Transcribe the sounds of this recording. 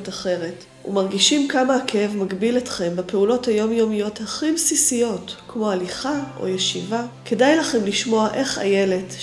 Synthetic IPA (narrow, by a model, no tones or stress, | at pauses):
taχe̞ʁe̞t | ṵmaʁɡiʃimkamakeevmaɡbiletχembepe̞ulo̞thajo̞mjomijo̞thaχibsisijo̞tkmo̞aliχaʔo̞̰jeʃivakʰe̞dajlaχe̞mliʃmo̞aʔe̞χa̰jele̞t